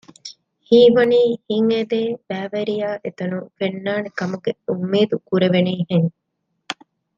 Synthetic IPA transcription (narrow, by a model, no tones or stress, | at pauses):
hiːʋɐniːhiŋed̪eːb̥æːʋeɾijaːʔet̪ɐnufenːaːnekɐmuɡeumːeːd̪ukuɾeʋeniːɦeŋ